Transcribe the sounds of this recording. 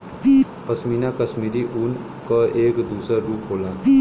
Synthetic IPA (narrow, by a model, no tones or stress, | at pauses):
pɐsmiːnakɐsmiːɾiʔun | kaeːkd̪uːsəɾuːpɦoːlaː